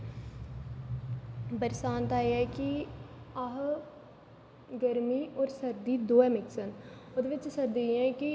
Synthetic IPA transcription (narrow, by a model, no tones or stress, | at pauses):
bəɾsaːnt̪aːeːɛːkiaɦ | ɡəɾmiːɔːɾsəɾd̪iːd̪oːɛːmɪksənʊd̪eʋɪt͡ʃsəɾd̪iɛ̃ːkɪ